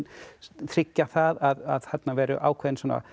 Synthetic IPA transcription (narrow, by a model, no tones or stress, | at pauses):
t̪ʰɾɪcːaθaðaðaðhat̪navɛːɾʏ̰ʔa̰ːwkʰvɛːðɪnsuɔːna̰